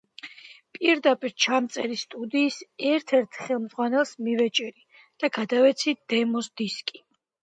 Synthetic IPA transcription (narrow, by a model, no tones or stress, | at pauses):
pʼiɾd̪apʼiɾt͡ʃʰamt̪sʼɛɾist̪ʼud̪iːsɛɾt̪ʰɛɾt̪ʰχɛlˠmd̪zʁwanɛlˠsmivɛt͡ʃʼɛɾi | d̪̥aɡad̪avɛt̪sʰid̪̥ɛmɔsd̪iskʼi̥